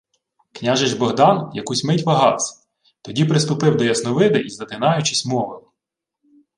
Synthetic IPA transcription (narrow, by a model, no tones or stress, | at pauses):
knʲaʒɪʒbɔɦd̪ɑnjɐkusʲmɪtʲʋɐɦɑ̰wsʲɐ̥ | t̪ɔdʲipɾɪst̪ʊpɪwd̪ɔjɐsnɔʋɪd̪ɪizɐt̪ɪnɑjʊt͡ʃɪsʲmɔʋɪlˠɪ